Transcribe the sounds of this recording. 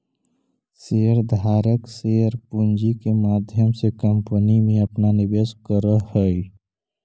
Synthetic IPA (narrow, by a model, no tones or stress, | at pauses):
seəɾd̪ʱaːɾəkseəɾpund͡ʒikemaːd̪ʱjəmsekəmpənimẽəpnanɪbeskəɾəɦəi